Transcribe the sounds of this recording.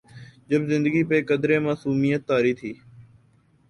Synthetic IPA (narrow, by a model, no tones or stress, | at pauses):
d͡ʒəbzɪ̃nd̪əɡiːpeːkəd̪ɾẽːmaːsuːmijət̪ːaːɾiːt̪ʰiː